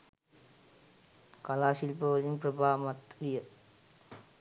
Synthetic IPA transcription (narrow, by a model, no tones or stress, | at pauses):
kɐlaːʃilpɐʋɐlimpɾɐbʱaːmɐt̪ɾijɐ